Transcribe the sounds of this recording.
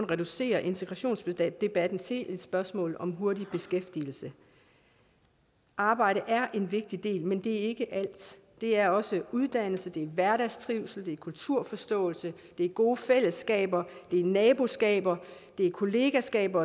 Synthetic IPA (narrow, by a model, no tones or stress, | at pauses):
nʁɛɾ̥use̝̰ːɐʔe̝nt͡sʰeɡʁɑ̈ɕo̝̰ːnsb̥e̥d̥e̝b̥æd̥n̩t͡sʰe̝ʔed̥sb̥ɶɐsmɔ̰ːlɒ̽mɦo̝ɐdib̥e̝sɡ̥efd̥il̩sə | ʔɑ̈ːb̥ɑ̈ɪ̰ɾəʔæɐʔe̝nʋe̝ɡ̥̚d̥id̥e̝̰ːlmend̥e̝æɐe̝ɡ̥əʔæl̰d̥ | d̥e̝æɐɒ̽səuð̞ˠd̥æn̰l̩səd̥e̝æɐʋæɐɾæsdʰʁiʊsl̩d̥e̝ɐkʰult͡sʰuɐ̰fɒ̽sd̥ɔ̰̽ːl̩sə | d̥e̝æɐɡ̥o̝ːəfel̰əsɡ̥ɛ̰ːb̥ɐd̥e̝æɐnɛːb̥o̝sɡ̥ɛ̰ːb̥ɐ | d̥e̝æɐkʰo̝le̝ːɡ̥æsɡ̥ɛ̰ːb̥ɐ